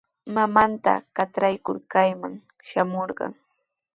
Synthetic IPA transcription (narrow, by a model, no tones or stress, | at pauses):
mamant̪a̰kaʈ͡ʂɾajkʊɾkajmaŋ | ʃamoɾɢɑ̰ŋ